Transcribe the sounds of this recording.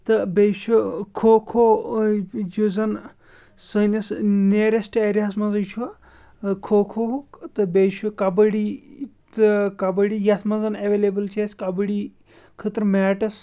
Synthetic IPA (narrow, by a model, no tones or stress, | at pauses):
t̪ɨbeʃʰukʰoːkʰo | d͡ʒozɐn | səːnɐsneːɾesʈeːɾʲasmɐnzɐt͡ʃʰua | kʰoːkʰokt̪ɨbeːʃʰukɐbɐɽi | t̪kɐbɐɽijɐt̪ʰmɐnzɐnɐʋeːlebɨlt͡ʃʰeːskɐbɐɽi | kʰɨt̪ɾmɛːʈɐs